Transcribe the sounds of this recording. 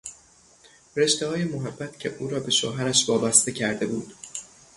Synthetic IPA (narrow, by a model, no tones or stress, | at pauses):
ɾe̞ʃt̪ehɒːjemoɦæbːæt̪cʰe̞̰ʔuːɾɒːbe̞ʃo̰ɦæɾæʃvɒːbæst̪e̞cʰæɾd̪e̞buːd̪̥